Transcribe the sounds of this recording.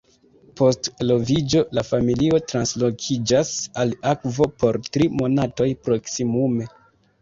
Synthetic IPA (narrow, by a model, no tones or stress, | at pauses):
po̞stlo̞vid͡ʒo̞lafamilio̞tɾanslo̞kʰid͡ʒasalakvo̞po̞ɾtɾimo̞nato̞jpɾo̞ksimume̞